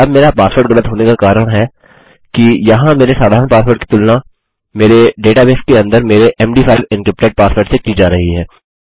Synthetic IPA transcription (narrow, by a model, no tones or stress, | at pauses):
ɐbmeːɾapaːspəɾʈɡɐlət̪ɦoːnekakaːɾəɽ̃ɦɛ | kijɐɦãmeːɾesaːd̪ʱaːɾə̃paːspəɾʈ̚ki̥t̪ʊlna | meːɾeɖeːʈabeːskeɐ̃nd̪əɾmeːɾeʔɛːmɖiːfʰaːɪʋɪ̃nkɾɪp̚ʈeɖ̚paːspəɾʈsekiːd͡ʒaːɾɐɦiɦɛː